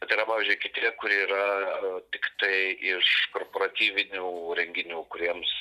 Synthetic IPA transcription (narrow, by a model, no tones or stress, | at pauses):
bʲɛt̪ɐɪɾɐpɑːʋʲizʲd͡ʒʲʊɪkʲɪt̪ʲiɛkʊɾʲɛiːɾɐt̪ʲɪkt̪ɐɪɪʃkoːrpoːɾɐt̪ʲiːʋʲɪnʲuːɾʲɛŋʲɡʲɪnʲuːkʊɾʲiɛms